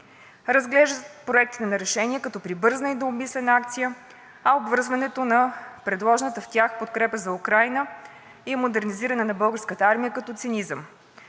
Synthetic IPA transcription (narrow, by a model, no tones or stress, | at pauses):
ɾəzɡlɛʒd̪ət̪pɾoɛk̚t̪i̥t̪ɛnɐɾɛʃɛniɛkɐt̪ɔpɾibɤɾznəid̪oːmislɛnak̚t̪sijə | ɐobvɤɾzvɐnɛt̪onɐpɾɛd̪lˠɔʒɛnət̪əft̪ʲjaxpot̪kɾɛpəzɐukɾajnə | imod̪ɛɾniziɾɐnɛnɐbɤlˠɡəɾskət̪əaɾmijəkɐt̪ɔt̪sinizəm